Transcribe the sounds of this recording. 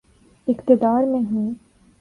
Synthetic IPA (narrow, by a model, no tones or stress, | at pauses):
ɪqt̪ɪd̪aːɾmẽɦũː